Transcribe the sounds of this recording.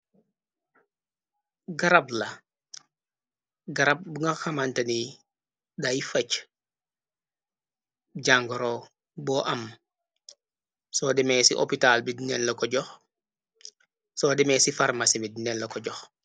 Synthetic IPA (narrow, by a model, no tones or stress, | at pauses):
ɡɐɾablɐ | ɡɐɾab̚buŋɡaxamantɐni | dajifɐc | ɟaːŋɡɔɾo | bɔʔɐm | sɔːdɛmɛːsiʔo̰pitalbidinɛnlɐkɔɟɔx | sɔdɛmɛsifaɾmasimidinɛnlɐkɔɟɔx